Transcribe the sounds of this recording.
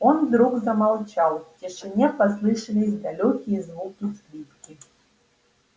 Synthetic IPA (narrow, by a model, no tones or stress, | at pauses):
ɔnd̪ɾuɣzɐmalˠt͡ʃalˠtʲiʂɨnʲɛpaslˠɨʂɨlʲisʲd̪alʲɔkʲijɛzvukʲisklʲit̪kʲi